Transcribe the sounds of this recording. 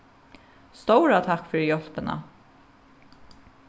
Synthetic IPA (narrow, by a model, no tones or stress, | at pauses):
st̪ɔwɾat̪ʰakfʏɹjɔl̥pɪna̰